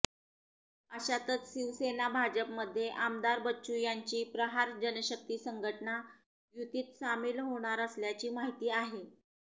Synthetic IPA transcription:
əɕat̪ət͡sɕiʋsenabʱad͡ʑəpməd̪ʱːjeʔamd̪aɾbətːɕujaɲt͡ɕiːpɾəɦaɾd͡ʑənəɕək̚t̪iːsəŋɡʱəʈəna | jut̪iːt̪samiːlɦoɽ̃aɾəsljat͡ɕiːmaɦit̪iːaɦe

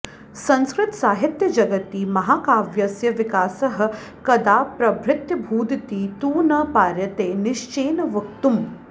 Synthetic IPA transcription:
sɐ̃nskɾɪt̪saːɦit̪jɐd͡ʒɐɡɐt̪iːmɐɦaːkaːʋjɐsjɐʋikaːsɐɦɐ̆ | kɐd̪aːpɾɐbʱɾɪt̪jɐbʱuːd̪t̪iːt̪uːnɐpaːɾjɐt̪eːniʃt͡ʃeːnɐʋɐk̚t̪um

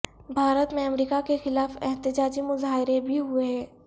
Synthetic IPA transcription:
bʱaːɾət̪mẽɐmɾiːkakexɪlaːfɛɦt̪ɪd͡ʒaːd͡ʒimʊzaːɦɪɾebʱiɦueɦɛ̃ː

